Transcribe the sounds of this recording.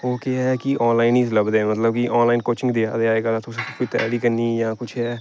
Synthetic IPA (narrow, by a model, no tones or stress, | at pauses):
oːkekiʔɔːnlaːɪniːzləbd̪ẽːmət̪ləb̚kiʔɔːnlaːɪnkoːt͡ʃɪ̃ŋɡd̪iːad̪eaːeːɡaːat̪ʰʊskit̪ɛ̰ːliːkəniːjãːkʊt͡ʃʰɦɛː